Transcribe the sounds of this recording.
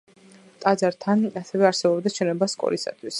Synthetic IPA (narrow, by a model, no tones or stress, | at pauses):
t̪ʼad̪zaɾt̪ʰanasɛvɛaɾsɛbɔbd̪at͡ʃʰɛnɔbaskʼɔ̰ɾisa̰t̪ʰwis